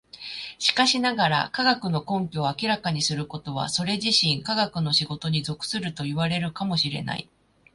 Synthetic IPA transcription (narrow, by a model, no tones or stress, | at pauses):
ɕi̥kaɕinaɡaɾa̰kaɡakɯ̟no̞kõ̞mpʲo̞ːakʲiɾakaɲ̟isɨɾɯ̟ko̞t̪o̞βa̰so̞ɾe̞ʑiɕĩŋkaɡakɯ̟no̞ɕiɡo̞t̪o̞ɲ̟izo̞kɯ̟̥sɨɾɯ̟t̪o̞iβaɾe̞ɾɯ̟kamo̞ɕiɾe̞̰na̰ḭ